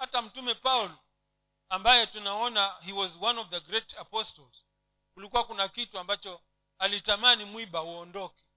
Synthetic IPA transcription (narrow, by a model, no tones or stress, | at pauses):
hatam̩tumɛpaulɔ | ambajɛtunaɔnahiwɔzwanɔvðəɡɾɛtapɔstɔlz̥ | kulikuwakunakituambat͡ʃɔ | alitamanimwiɓauɔndɔkɛ̥